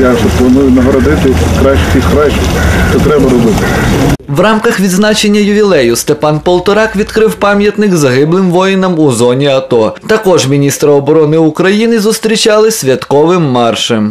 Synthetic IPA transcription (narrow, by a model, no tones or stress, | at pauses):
jaʒɛplˠɐnujʊnɐɦɾɐd̪ɪt̪ɪkɾɑʃkʲixkɾaʃɪʃt̪ɔt̪ɾɛbɐɾɔbɪt̪ɪwrɑmkɐxʋʲid̪znɑt͡ʃe̞nʲːɐjʊʋʲilˠɛjʊst̪epɑnpɔlˠt̪ɔɾɑkʋʲid̪kɾɪwpɑmʲjɐt̪nɪɡzɐɦɪblˠɪmʋɔjɪnɐmuzɔnʲiɐt̪ɔt̪ɐkɔʒmʲinʲist̪ɾɐɔbɔɾɔnɪʊkɾɐjinɪzʊst̪ɾʲit͡ʃɑlˠɪsʲʋʲjɐt̪kɔʋɪmːɑrʃɛm